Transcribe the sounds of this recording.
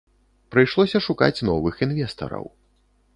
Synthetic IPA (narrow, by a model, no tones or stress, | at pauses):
pɾɨjʂlˠɔsʲɐʂuka̰t͡sʲnɔvɨxinvʲɛst̪ɐ̰ɾɐ̰w